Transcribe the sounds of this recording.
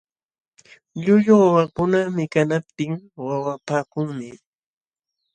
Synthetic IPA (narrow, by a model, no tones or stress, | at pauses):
ʎʊʎʊwawakʊnamɪkanap̚t̪ɪŋwawapaːkʊŋmɪ